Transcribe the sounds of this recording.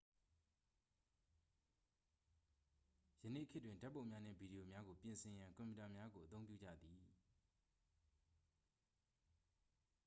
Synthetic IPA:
jənḛ˦˨kʰɪ˦tːwɪ̃˨nda˦pːõ˦˨ʊ̃mja˦n̥ɪ̰̃˦˨bi˨ɾi˨jo˨mja˦ɡo˨pjɪ̃˨nsʰɪ̃˨jã˨ŋkɔ̃˨mju˨ta˨mja˦ɡo˨ʔət̪õ˦ʊ̃p̬jṵ˦˨d͡ʑa̰˦˨d̪i˨

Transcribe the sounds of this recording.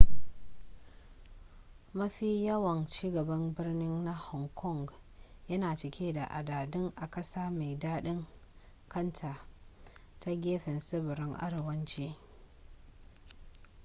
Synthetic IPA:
mɐ˦ɸiː˦jɐ˦wɐ˨nt͡ʃiː˦ɡɐ˨bɐ˦mbɪ˦rnɪ˦nːa˦hɔ˨ŋkʰɔ˦˨ŋɡjɐ˦naː˨t͡ʃɪ˨kʲʰeː˦da˨ʔa˨daː˨dɪ˦ŋʔa˨kɐ˦saː˦me˨jdaː˦ɗɪ˦ŋ | kʰɐ˦ntʰaː˨ | ta˦ɡʲeː˦ɸɪ˨nsɪ˦bɪ˨ɾɪ˦ŋʔa̰˦ɽe˨wɐ˦nt͡ʃeː˦

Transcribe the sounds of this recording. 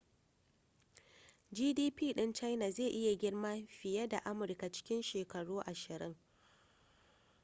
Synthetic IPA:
d͡ʒiː˦diː˦piː˦˨ɗɪ˦nt͡ʃa˦jna˨zeː˦˨ʔɪ˦ja˨ɡʲɪ˦rma˦ɸɪ˨jɐ˦da˨ʔa˦mʊ˨rka˨t͡ʃɪ̥˦kʲɪ˦nʃeː˨kɐ˨ɽuː˦ʔa˨ʃɪ˨ɾɪ˦ŋ

